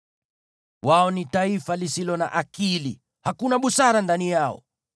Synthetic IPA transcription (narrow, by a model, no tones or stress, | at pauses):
waɔnitaifalisilɔna̰ʔakili | hakunaɓusaɾandanijaɔ̰